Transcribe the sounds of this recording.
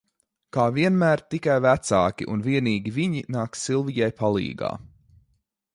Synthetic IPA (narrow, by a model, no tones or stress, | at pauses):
kaːviɛnmæːɾt̪ikajvæt̪saːkʲiʔunviɛniːɡʲiviɲinaːksilˠvijajpʰalˠḭːɡa̰ː